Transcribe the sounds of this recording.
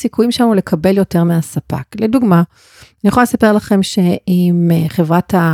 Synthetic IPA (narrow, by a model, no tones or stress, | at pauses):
sikujimʃamule̞kʰabe̞ljo̞te̞ʁmeasapa̰kleduɡma | nijaχoalesape̞ʁlaχe̞mʃe̞imχevʁata